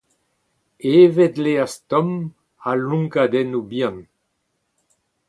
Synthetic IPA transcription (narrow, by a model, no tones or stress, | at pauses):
eːvɛt̪least̪ɔm | alũŋkad̪ɛnubjãn